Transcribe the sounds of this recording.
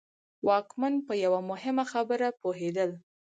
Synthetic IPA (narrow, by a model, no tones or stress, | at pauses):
wɑkmanpəjawamʊhɪmaxabəɾapoɦed̪əl